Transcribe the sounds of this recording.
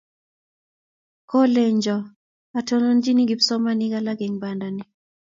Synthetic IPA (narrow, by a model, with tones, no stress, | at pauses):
kɔ˦le˨ɲd͡ʒɔ˨ | a˨to˦no˦nd͡ʒi˦ni˦ɡi˨psɔ˦ma˦ni˦ɡa˦la˦ɡe˨ŋba˨nda˨ni˦